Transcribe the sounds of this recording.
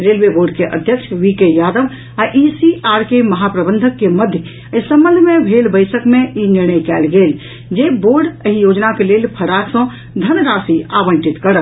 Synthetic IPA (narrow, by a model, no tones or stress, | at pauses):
ɾeːlʋeboːɾɖkeʔə̰d̪ʱjəkʃʰʋikejaːd̪əʋ | aʔisiʔaːɾkeməɦapɾəbə̃nd̪ʱəkːeməd̪ʱjə | ɪsəmbə̃nd̪ʱmẽbʱelbəɪsəkmẽinɪɾɳəjkɛːlɡeːl | d͡ʒeboːɾɖəɦijoːd͡ʒnakeleːlpʰəɾaksə̃ | d̪ʱənɾaːsiaʋə̃ɳʈit̪kəɾət̪